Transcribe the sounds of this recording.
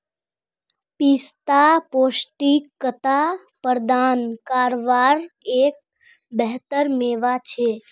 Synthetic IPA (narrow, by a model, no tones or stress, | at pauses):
pist̪apoːsʈikːət̪a | pəɾd̪ankaːɾʋaɾek̚ | bɛɦt̪əɾmeʋat͡ʃʰe